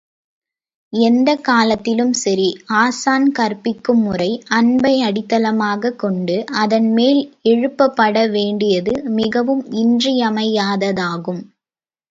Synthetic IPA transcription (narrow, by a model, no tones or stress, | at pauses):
ɛnd̪ɐkaːlɐt̪ːɪlɯmsɐɾiaːsaːnkɐɾpɪkːɯmːʊrɐɪʔɐnbɐɪɐɽɪt̪ːɐlɐmaːɣɐkːɔɳɖɯʔɐðɐnmeːlɛɻɯpːɐpːɐɽɐʋeːɳɖɪjɐðɯmɪɣɐʋɯmɪndrɪjɐmɐjaːðɐðaːɣɯm